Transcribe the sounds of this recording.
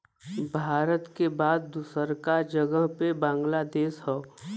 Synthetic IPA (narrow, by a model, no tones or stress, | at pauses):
bʱaːɾət̪kebaːd̪̚ːusəɾkad͡ʒəɡəɦpebãːŋɡlad̪eːʃɦɔː